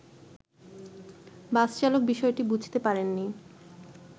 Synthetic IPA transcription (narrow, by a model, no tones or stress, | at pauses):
bast͡ɕalok̚biʃɔeʈibud͡ʑʱt̪epaɾenːi